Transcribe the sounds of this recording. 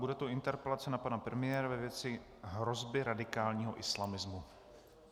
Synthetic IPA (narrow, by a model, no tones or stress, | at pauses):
budɛt̪oɪnt̪ɛɾpɛlat͡sɛnapanapɾɛmɪjɛːɾavɛvjɛt͡sɪ | ɦɾo̞zbɪɾadɪkaːlɲiːɦo̞ʔɪslamɪzmu